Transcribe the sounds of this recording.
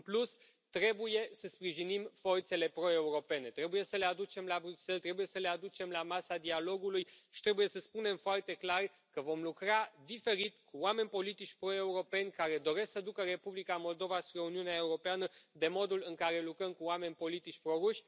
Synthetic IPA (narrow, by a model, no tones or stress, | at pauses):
ɨmplus | t̪ɾe̞buje̞səspɾiʒinimfo̞rt̪se̞le̞pɾo̞e̞uɾo̞pe̞ne̞t̪ɾe̞buje̞səle̞ad̪ut͡ʃe̞mlabɾukse̞lt̪ɾe̞buje̞səle̞ad̪ut͡ʃe̞mlamasad̪ialo̞ɡulujʃi̥t̪ɾe̞buje̞səspune̞mfoart̪e̞klar | kəvo̞mlukɾad̪ife̞ɾit̪̚kuoame̞nʲpo̞lit̪it͡ʃʲpɾo̞e̞uɾo̞pe̞nʲkaɾe̞d̪o̞ɾe̞sksəd̪ukəre̞publikamo̞ld̪o̞vaspɾe̞uniuneae̞uɾo̞peanəd̪e̞mo̞d̪ulɨŋkaɾe̞lukɾəmkuoame̞nʲpo̞lit̪it͡ʃʲpɾo̞ɾuʃʲ